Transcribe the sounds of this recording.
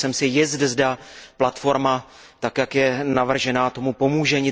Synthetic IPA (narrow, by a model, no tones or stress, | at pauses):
sɛmsɪjɪzdzdaplat̪fo̞ɾma | t̪akjakjɛnavr̩ʒɛnaːt̪o̞mupo̞muːʒɛɲɪ